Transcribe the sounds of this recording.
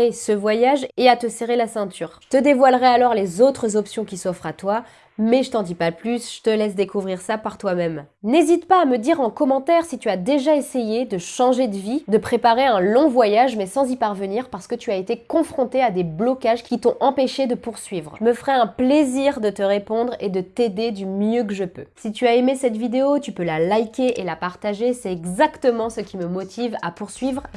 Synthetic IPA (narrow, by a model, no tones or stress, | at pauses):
esəvwajaʒeat̪əseʁelasɛ̃t̪yːʁʒət̪əd̪evwalʁɛalɔʁlezot̪χəzɔpsjɔ̃kʲisɔfχat̪wa | mɛʒət̪ɑ̃d̪ipalplysʒ̥ə̥t̪əlɛsd̪ekuvʁiʁsapaʁt̪wamɛmnezit̪paːməd̪iʁɑ̃kɔmɑ̃t̪ɛʁsit̪yad̪eʒaesejed̪əʃɑ̃ʒed̪əvid̪əpχepaʁeɛ̃lɔ̃vwajaʒmɛsɑ̃zipaʁvəniʁpaʁsə̥kət̪yaet̪ekɔ̃fχɔ̃t̪ead̪eblɔkaʒkʲit̪ɔ̃ʔɑ̃peʃed̪əpuʁsɥivʁəməfχɛɛ̃pleziʁd̪ət̪əʁepɔ̃d̪ʁed̪ət̪ed̪ed̪ymjøkəʒəpø̰sit̪yaemesɛt̪vid̪eot̪ypølalajkʲeʔelapaʁt̪aʒesɛt̪ɛɡzakt̪əmɑ̃səkʲiməmɔt̪ʰiva̰puʁsɥivʁ